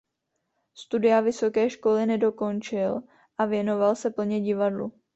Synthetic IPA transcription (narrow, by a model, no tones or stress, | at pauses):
st̪udɪavɪso̞kɛːʃko̞lɪnɛdo̞ko̞nt͡ʃɪl | ʔavjɛno̞valsɛpl̩ɲɛɟɪvadlṵ